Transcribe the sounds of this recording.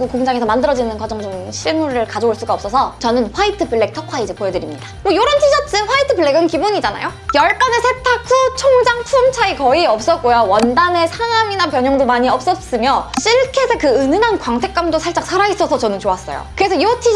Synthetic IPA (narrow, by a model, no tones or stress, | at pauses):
ɡokoŋd͡ʑaŋe̞sʰʌmandɯɾʌd͡ʑinɯnkwad͡ʑʌŋt͡ɕomɕʰiɭmuɾɯɭkad͡ʑouɭs͈uɡaʌp̚s͈ʌsʰʌt͡ɕʌnɯnɸwaitʰɯpɯɭːek̚tʰʌkʰaid͡ʑɯpojʌdɯɾimɲidawʌjoɾʌntʰid͡ʑʌt͡ɕ͈ɯnɸwaitʰɯpɯɭːe̞ɡɯnkibuɲid͡ʑana̰jojʌɭk͈anesʰetʰakʰut͡ɕʰoŋd͡ʑaŋpʰumt͡ɕʰaikʌiʌp̚s͈ʌk͈ojawʌndane̞sʰaŋaminapjʌɲʌŋdomaɲiʌp̚s͈ʌs͈ɯmjʌɕ͈iɭkʰe̞sʰekɯɯnɯnankwaŋtʰe̞k͈amdosʰaɭt͡ɕ͈aksʰaɾais͈ʌsʰʌt͡ɕʌnɯnt͡ɕoas͈ʌ̰jo̰kɯɾe̞sʰʌjotʰi